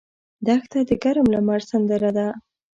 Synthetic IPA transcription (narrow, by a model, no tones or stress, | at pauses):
d̪axt̪ad̪əɡaɾmlamaɾsand̪aɾad̪a